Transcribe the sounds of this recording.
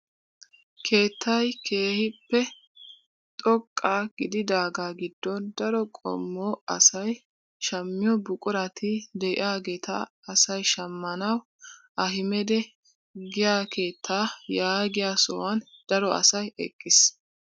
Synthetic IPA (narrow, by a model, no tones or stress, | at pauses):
kʰe̞ːt̪ʰːɐjkʰe̞ːhɪpːɛ | t̪ʼɔkʼːaːɡɪd̪ɪd̪aːɡaːɡɪd̪ːɔnd̪ɐɾɔkʼɔ̰mːɔɐsɐj | ʃɐmːɪjɔbʊkʼʊɾɐt̪ʰɪd̪ɛʔɪ̰aːɡe̞ːt̪ɐː | sɐjʃɐmːɐnɐw | ʔɐɦɪmɛd̪ɛ | ɡɪjaːke̞ːt̪ʰːaːjaːɡɪjaːsɔ̰wɐnd̪̥ɐɾɔʔɐ̰sɐjɛ̰kʼːɪs